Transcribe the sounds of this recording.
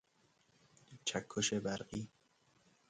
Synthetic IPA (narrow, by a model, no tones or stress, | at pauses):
t͡ʃʰækʰːoʃebæɾɢiː